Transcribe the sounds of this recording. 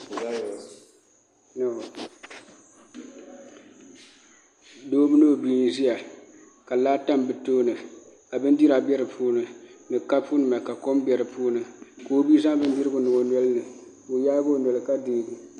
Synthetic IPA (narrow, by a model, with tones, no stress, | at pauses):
na˨ | doː˦mɨ˦no˦˨bi˦n˦zi˦ja˨ | ka˨laː˦ta˦mbɨ˨toː˦nɨ˨ka˨bɨ˦n˦di˦ɾa˨bɛ˦ɾɨ˨pʰuː˦nɨ˨nɨ˨ka˦pu˦nɨ˨ma˨ka˨ko˦m˦bɛ˨ɾɨ˨puː˦nɨ˨ko˦bi˦zã˦ŋ˦bɨ˦n˦di˦ɾɨ˦bʊ˨nɨ˨o˨nɔ˦lɨ˦nɨ˨ko˨jaː˦ɡo˦˨nɔ˨lɨ˨ka˦deː˦ɡɨ˨